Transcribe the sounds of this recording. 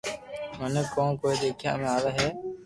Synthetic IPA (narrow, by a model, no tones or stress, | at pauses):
mənəkõːkoːiɗ̪eːkʰja̰ːmẽːaːʋaːɦɛː